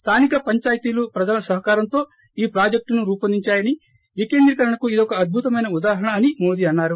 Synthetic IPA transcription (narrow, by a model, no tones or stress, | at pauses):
st̪ʰaːnikɐpɐɲt͡ʃaːjt̪iːlupɾɐd͡ʒɐlɐsɐɦɐkaːɾɐnt̪o̞ː | iːpɾaːd͡ʒek̚ʈnuɾuːpɐnd̪iɲt͡ʃaːjɐni | ʋike̞ːnd̪ɾikɐɾɐɳɐkuid̪ɔkɐːd̪̚bʱut̪ɐmɐjnɐud̪aːɦɐɳɐːnimo̞ːd̪iːɐnːaːɾu